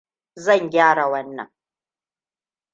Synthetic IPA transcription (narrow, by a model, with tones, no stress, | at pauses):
zɐ˦˨ŋɡʲaː˦ɽa˨wɐ˦nːɐ̰˨ŋ